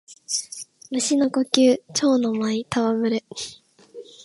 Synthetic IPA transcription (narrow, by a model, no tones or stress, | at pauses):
mɯ̟ɕinokokʲɨːt͡ɕo̞ːnomait̪ʰaβamɯ̟ɾɯ̟